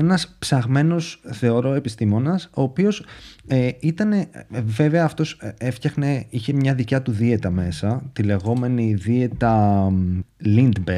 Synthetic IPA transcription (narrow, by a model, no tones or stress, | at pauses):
enɐspsɐɣme̞no̞sθe̞o̞ɾo̞e̞pist̪imo̞nɐso̞ːpio̞seit̪ɐne̞ve̞ve̞ɐːft̪o̞seft̪çɐxne̞içe̞mɲɐðicɐt̪uðie̞t̪ɐme̞sɐt̪ile̞ɣo̞me̞niðie̞t̪ɐ | lind̪be